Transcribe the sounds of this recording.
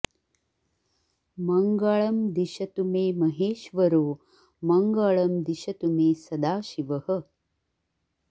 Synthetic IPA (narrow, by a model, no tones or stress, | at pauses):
mɐŋɡɐɭɐmd̪iʃɐt̪umeːmɐɦeːʃʋɐɾoː | mɐŋɡɐɭɐmd̪iʃɐt̪umeːsɐd̪aːʃiʋɐhə̆